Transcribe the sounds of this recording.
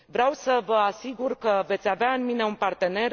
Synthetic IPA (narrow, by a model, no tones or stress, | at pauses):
vɾeawsəvəasiɡurkəve̞t̪sʲaveaɨnmine̞unpart̪e̞ne̞r